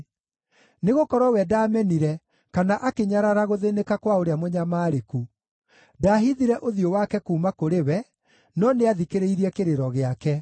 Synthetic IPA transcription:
neɣokɔɾɔwɛdaːmɛniɾɛ | kanaʔakeɲaɾaɾaɣoðenekakwaoɾeamoɲamaːɾeku | daːɦiðiɾɛʔoðiowakɛkuːmakoɾewɛ | nɔneaðikeɾeiɾiɛkeɾeɾɔɣeakɛ

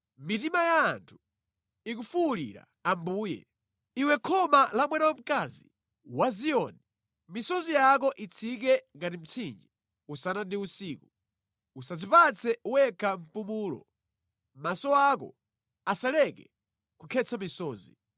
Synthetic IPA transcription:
mitimajaːntʰu̥ | ikufulḭɾa̰ | ambuːjɛ̰ | iwɛkʰɔmalamwɛnawam̩kazḭ | waziɔni | misɔzijak̬ɔʔit͡sʰik̬ɛŋɡatim̩t͡sʰind͡ʒɛ | usanandiusiːku | usazipat͡sʰɛuwɛkʰam̩pumuːlɔ̰ | masɔakɔ̰ | asalɛkɛ̰ | kukʰɛt͡sʰamisɔːzi

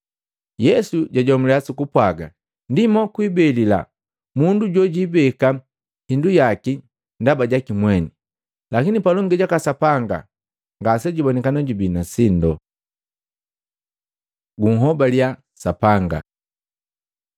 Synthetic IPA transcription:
jɛsuɟaɟɔmulɛasukupwaɡa | ndimɔkwibɛlila̰ | munduɟɔɟibɛka | hindujaki | ndabaɟakimwɛni | lakinipalɔŋɡɛɟakasapaŋɡa̰ | ŋɡas̬ɛɟuibɔnɛkanɔɟubinasindɔ | ɡuŋ̩ɦɔbalja | sapaŋɡa̰

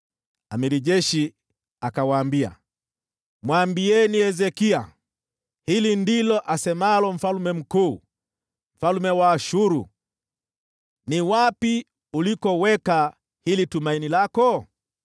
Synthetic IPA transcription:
amiɾiʄɛʃi | akawaːmbia̰ | mwambiɛniɛzɛkia | hilindilɔʔasɛmalɔm̩falumɛm̩kuː | m̩falmɛwaːʃuɾu | niwapi | ulikɔwɛka | hilitumainilakɔ

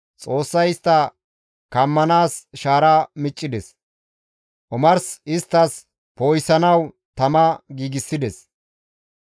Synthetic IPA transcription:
t͡sʼo̞ːsːɐjɪst̪ːɐ | kɐmːɐnaːsʃaːɾamɪt͡ʃʼːɪd̪ɛs | ʔɔmɐɾsɪst̪ːɐs | poːjsɐnɐw | t̪ɐmɐɡiːɡɪsːɪd̪ɛs

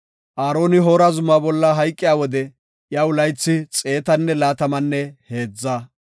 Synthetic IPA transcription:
ʔaːɾo̞ːnɪɦoːɾɐzʊmaːbɔlːɐɦɐjkʼːɪjaːwɔd̪ɛ | jɐwlɐjt͡sːɪt͡sʼe̞ːt̪ɐnːɛlaːt̪ɐmɐnːɛhe̞ːd͡zːa

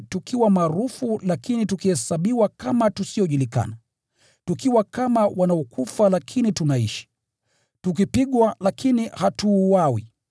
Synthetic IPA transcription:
tukʰiwamaːɾufulakinitukihɛsaɓiwakamatusiɔʄulika̰na | tukiwakamawanaɔkufalakʰinitunaiʃi̥ | tuk̬ipiɠwalakʰinihatuwawḭ

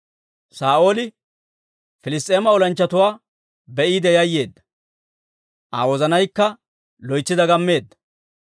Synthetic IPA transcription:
saːo̞ːlɪ | fɪlɪst̪ʼːeːmɐɔlɐnt͡ʃːɐt̪ʊwaː | bɛʔiːd̪ɛjɐjːe̞ːd̪ːɐ̥ | ʔa̰ːwɔzɐnɐjkːɐ | lɔjt͡ʃːɪd̪ɐɡɐmːe̞ːd̪ːɐ̥

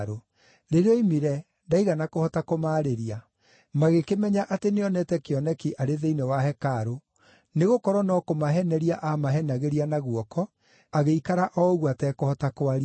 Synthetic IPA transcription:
ɾo | ɾeɾeɔimiɾɛ | ndaiɣanakohɔtakomaːɾeɾia | maɣekemɛɲaʔateneɔnɛtɛkeɔnɛkiʔaɾeðeinewaɦɛkaɾo | neɣokɔɾwɔnɔkomaɦɛnɛɾiaʔamaɦɛnaɣeɾianaɣwɔkɔ | aɣeikaɾaʔɔoɣwatɛkohɔtakoaɾi

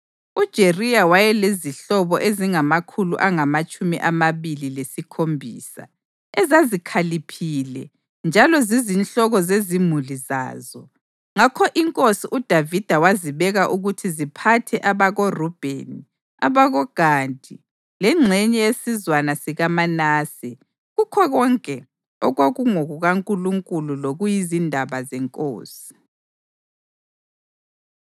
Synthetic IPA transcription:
ud̥ʒ̥ʱeriawajɛleziɬɔβɔʔeziŋamakʰulṵʔaŋamat͡ʃʼumiʔamaβililesikʰombʱḭːsa̰ | ɛzazikʰalipʰilɛ̰ | nd͡ʒʱalɔzizinɬɔɣɔzezimuliza̰ːzɔ | ŋakʰɔʔiŋkʼosiʔud̥ʱavid̥ʱawaziβɛɣaʔuɣutʰizipʰatʰɛʔaβaɣorɔb̥ʱḛni | a̰βaɣɔɡ̥ʱaːntʼi | lɛŋ͡ǁʱɛɲɛjesizwanasiɣamanaːsi | ɣukʰɔɣɔŋkʼɛ | ɔɣwoɣuŋoɣuɣaŋkʼuluŋkʼululoɣujizindʱaβazɛŋkʼo̰ːsi̥

